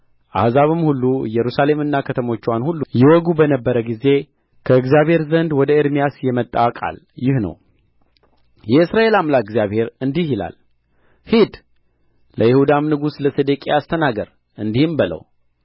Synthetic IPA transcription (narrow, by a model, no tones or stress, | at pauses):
ʔa̰hzaβɨmhulːujɛɾusale̞mɨnːakʰət̪ʰəmo̞t͡ʃːwanhulːujɛwɔɡubənəbːəɾəɡize̞ | kʰəɨɡzjaβheɾzənd̪wɔd̪əɨɾmijasjɛmət̪ʼːawkʼa̰l | jɪhnə̰w | jɛɨsɾaʔe̞lamlakɡzjaβhe̞ɾɨnd̪ihjɪla̰l | hid̪ | ləjɪhud̪amnɨɡusləsed̪əkʼeast̪ʰənaɡəɾ | ʔɨnd̪ihɨmbɨlə̰w